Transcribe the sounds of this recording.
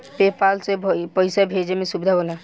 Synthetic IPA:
pepalsebʱpəjsabʱed͡ʒemẽsubd̪ʱaɦola

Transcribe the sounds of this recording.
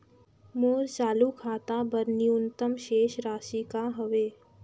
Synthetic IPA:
moːɾt͡ʃaːlukʰaːt̪abɐɾniʊnt̪əmʃeːʃɾaːʃikaɦɐʋeː

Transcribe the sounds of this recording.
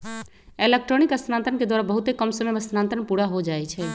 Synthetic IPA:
elek̚ʈɾonikəsnãnt̪ənked̪waɾabəɦut̪ekəmsəmeəsnãnt̪ənpuɽaɦod͡ʒaɛt͡ʃʰɛ

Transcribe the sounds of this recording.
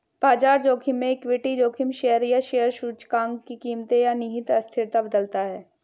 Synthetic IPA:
paːd͡ʒaːɾd͡ʒoːkʰɪmːẽɪkwɪʈid͡ʒoːkʰɪmʃejəɾjaʃejəɾʃuːt͡ʃkãːŋɡkikiːmt̪ejanɪɦɪt̪ɐst̪ʰɪɾt̪abəd̪əlt̪aɦɛː

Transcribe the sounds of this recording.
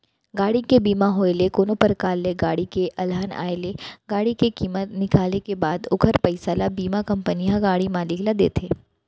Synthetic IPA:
ɡaːɽikebiːmaɦoːelekoːnopəɾkaːlːeɡaːɽikeʔɐlaːna̰ːeleɡaːɽikekiːmət̪nɪkaːlekebaːd̪ʊkʰəɾpəɪsalabiːmakɐ̃mpəniɦãɡaːɽimaːlɪklad̪ḛːt̪ʰeː

